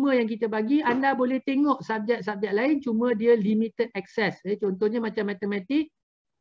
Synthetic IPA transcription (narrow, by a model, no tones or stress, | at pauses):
mə̃jaŋk̬it̪əbaɡiandabolɛht̪eŋɔʔsap̚d͡ʒɛʔ̚sap̚d͡ʒɛʔ̚laɪnt͡ʃumə̃diəlimĩt̪əd̪̚ɛk̚sɛset͡ʃɔnt̪ɔhɲamãt͡ʃamːat̪əmãt̪ik̚